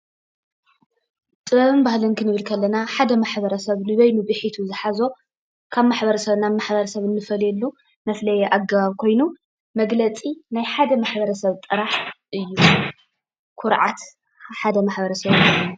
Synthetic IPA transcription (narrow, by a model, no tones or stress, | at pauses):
t̪ʼɨβɐβɨnbahlɐnkʰɨnɨβɨlkʰɐlːɐnaħad̪ɐmaħbɐɾɐsɐβnɨβɐjnɨbɨħit̪ʰuzɨħazo̞ | kʰaβmaħbɐɾɐsɐβnamaħbɐɾɐsɐβɨnːɨfɐlɛlːu | mɐflɐjeʔaɡːɐβaβkʰo̞jnu | mɐɡlɐt͡sʼinajħad̪ɐmaħbɐɾɐsɐβt̪ʼɨɾaħʔɨjːu | kʰʊɾʕat̪ | ħad̪ɐmaħbɐɾɐsɐβlɐa